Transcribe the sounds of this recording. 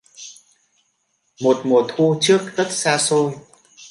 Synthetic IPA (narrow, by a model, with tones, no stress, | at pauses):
mo˨˩t̚mo˨˩ət̚xu˧t͡ɕɨ˦˥ək̚zə˦˥t̚saː˧so˧j